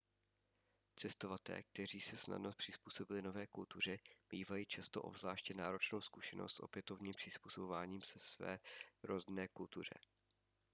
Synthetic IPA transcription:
t͡sɛst̪o̞vat̪ɛ̰ːk̚t̪ɛr̝iːsɛsna̰dnopr̥ɪspuːso̞bɪlɪno̞vɛːkult̪ur̝ɛb̥iːvajiːt͡ʃast̪o̞̰ʔo̞̰bzlaːʃcɛnaːɾo̞t͡ʃnowskuʃɛnost̪so̞̰pjɛt̪ovniːmpr̝̥ɪspuːsobovaːɲiːmsɛsvɛ̰ːɾoznɛːkult̪ur̝ɛ̰

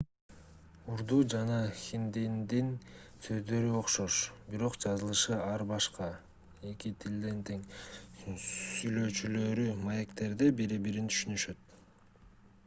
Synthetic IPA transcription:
uɾd̪uːd͡ʒɑnɑxʲind̪ind̪insø̞zd̪ø̞ɾyo̞qʃo̞ʃbiɾo̞qd͡ʒɑzɯlˠɯʃɯɑɾbɑʃqɑ | e̞kit̪ʰild̪ent̪ʰeŋ | syjlø̞t͡ʃylø̞ɾymɑje̞kt̪e̞ɾd̪ebiɾibiɾint̪ʰy̥ʃynyʃø̞t̪

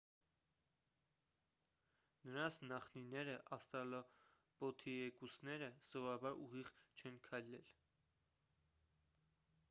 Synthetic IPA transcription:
nəɾɑnt͡sʰnɑχninɛɾəʔɑst̪ɑlɔ | pɔt̪ʰiɛkusnɛɾəz̥ɔvɑbɑɾuʁiʁt͡ʃʰɛnkʰɑjlɛl

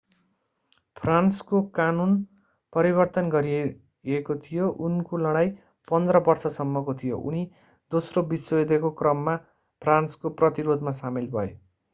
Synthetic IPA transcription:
pʰranskokanun | pʌɾibʌrt̪ʌnɡʌɾie | ekot̪ʰijoʔunkolʌɽ̃aj | pʌnd̪rʌbʌrsʌsʌmːʌkot̪ʰijo̰ʔṵni | d̪osrobisoed̪ekokrʌmːa | pʰranskoprʌt̪iɾod̪ʱmasamilbʱʌjo̰

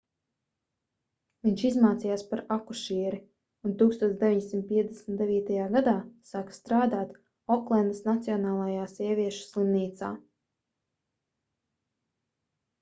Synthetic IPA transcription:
viɲʲt͡ʃizmaːt̪sijaːspaɾakuʃiɛɾi | unt̪uːkst̪uɔt̪sd̪e̞vʲiɲd̪ʲsʲimt̪̚piɛt̪d̪ʲesmt̪d̪eviːt̪ajaːɡad̪aːsaːkḁst̪ɾaːd̪aːt̪ | ɔklˠɛnd̪snat̪siɔnaːlˠajaːsiɛvʲiɛʃu̥slˠimniːt̪sa̰ː

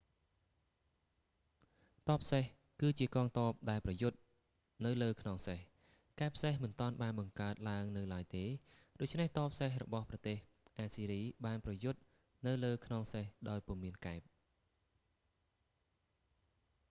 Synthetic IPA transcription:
t̪ɑːpʰːseh | kɨːt͡ɕiəkɑːŋt̪oəp̚ɗaɛlprɑjʊt̪̚ | nɨwləːkʰnoŋseh | kaɛpʰːsehmɨnt̪ŏɑənɓaːnɓɑŋkaət̪̚laəŋnɨwlaəjt̪eː | ɗoːc̚t͡ɕʰneht̪ɑːpʰseɦrɔ̰ɓɑhprɑt̪eːh | ʔaːsiːɾiːɓaːnprɑjʊt̪̚ | nɨwləːkʰnoŋsehɗaɔjpŭəmiənkaɛp̚

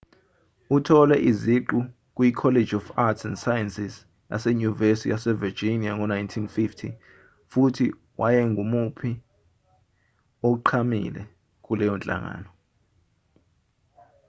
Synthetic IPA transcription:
utʰɔlɛʔiziǃu | k̬ʼwikʰɔled͡ʒɔfatʰsɛndsajɛnsis | ja̰sɛɲuvesijasɛvid͡ʒiniaŋɔnajntʰinfiftʰḭ | futʰi | wʔajɛŋɡʱumupʰi | ok̬uǃʰamḭlɛ̰ | k̬ʼulɛjɔnt͡ɬʼa̰ŋa̰ːnɔ

